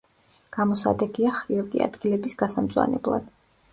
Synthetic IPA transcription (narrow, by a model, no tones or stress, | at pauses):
ɡ̥amɔsa̰d̪ɛɡiaχɾiɔkʼḭa̰d̪ɡilɛbisɡ̥asamdt̪zʼwa̰nɛblˠa̰d̪̥